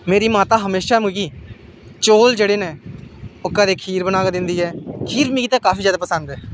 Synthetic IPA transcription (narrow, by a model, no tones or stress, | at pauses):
meːɾiːmaːt̪aːɦəmeːʃaːmũɡiː | t͡ʃoːld͡ʒeːɽeːnẽːʊkːãːd̪eːkʰiːɾbənaːkːd̪ɪnd̪iːɛːkʰiːɾmĩːɡiːt̪ãːkaːfʰiːzjaːd̪aːpəsənd̪ɛː